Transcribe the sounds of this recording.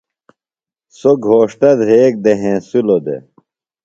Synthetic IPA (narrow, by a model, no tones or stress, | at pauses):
soɡʱoːʂʈɐd̪ɾeːk̚d̪eɦẽːsulod̪ḛ